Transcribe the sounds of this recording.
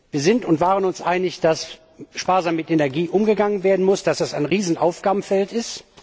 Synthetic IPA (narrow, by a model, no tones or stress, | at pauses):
viːɐzɪntʊntv̥aːʁənʊnsʔaɪnɪçd̥as | ʃpaːɐzaːmːɪtenɛɐɡiːʔʊmɡəɡaŋənveːɐdn̩mʊsd̥asd̥asaɪnʁiːzn̩ʔaʊfɡ̥aːbm̩fɛltɪst